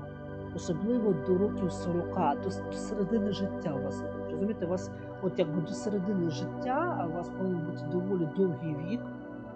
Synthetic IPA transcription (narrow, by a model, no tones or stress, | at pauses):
ɔsɔblˠɪʋɔd̪ɔɾɔkʲiwsɔɾɔkɑd̪ɔd̪ɔseɾed̪ɪnɪʒɪtʲːaʋas | ɾɔzʊmʲijt̪ɛʋas | ɔt̪jɐɡ̚bɪd̪ɔseɾed̪ɪnɪʒɪtʲːaʋɑspɔʋɪnɛnbutʲɪd̪ɔʋɔlʲid̪ɔwɦijʋʲid̪